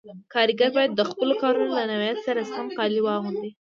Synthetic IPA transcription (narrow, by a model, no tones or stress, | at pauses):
kɑɾiɡaɾbɑjad̪ːəxpəlokɑɾunolanawjat̪saɾasəxamqɑliwɑɣund̪i